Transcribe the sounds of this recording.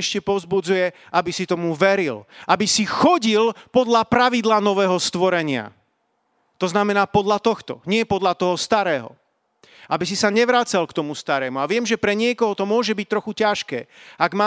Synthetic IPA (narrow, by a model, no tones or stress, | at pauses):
ɛʃcɛpɔʊzbud͡zujɛ | abisit̪ɔmuʋɛɾilʔabisixɔɟilpɔd̪ʎapɾaʋid̪laːnɔʋɛːɦɔst̪ʋɔɾɛɲɪa̰ | t̪ɔznamɛnaːpɔd̪ʎat̪ɔxt̪ɔ̰ɲɪɛpɔd̪lʎat̪ɔɦɔst̪aɾɛːɦɔ̰ | abisisaɲɛʋɾaːt͡salkt̪ɔmust̪aɾɛːmuaʋɪɛmʒɛpɾɛɲɪɛkɔɦɔt̪ɔmʊɔʒɛbic̚t̪ɾɔxucaʃkɛ̰ːaɡmaː